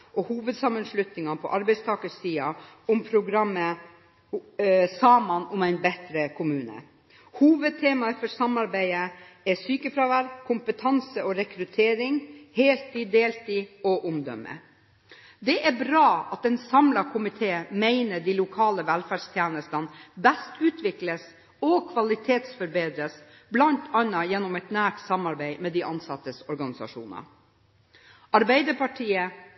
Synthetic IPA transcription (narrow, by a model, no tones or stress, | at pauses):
ʔɔhuːʋəd̪sɑmənʂlʉt̪nɪŋɑpʰɔ̰ʔɑɾbæɪst̪ʰɑːkəsːiːɑʊmpʰɾʊɡɾɑmːə | sɑːmɑnʊmæɪnbɛt̪ɾəkʰʊmʉːnə̰ | huːʋəd̪̚t̪ʰeːmɑəfɔʂɑmɑɾbæɪə | ɛsyːkəfɾɑʋæɾkʰʊmpət̪ʰɑnsəɔɾɛkɾʉt̪ʰeːɾɪŋheːlt̪id̪eːlt̪iɔʔʊmd̪ɔ̰mːə̰ | d̪ɛʔæbɾɑːɑt̪̚ɛnsɑmlɑkʰʊmɪt̪ʰeːmeɪnəɖiːlʊkʰɑːləʋælfæːɖʂt̪ʰjæːnəst̪ɑnbæst̪ʉːt̪ʰʋɪkləs | ɔkʰʋɑlɪt̪ʰeːt̪sfɔɾbeːd̪ɾəs | blɑnt̪ʰɑnɑjɛnːɔmɛt̪næːʈsɑmɑɾbæɪmɛːd̪iʔɑnsɑt̪ːəsɔɾɡɑnɪsɑ̰ʂṵːnɑ̰ | ʔɑɾbæɪd̪əpʰɑʈʰiːə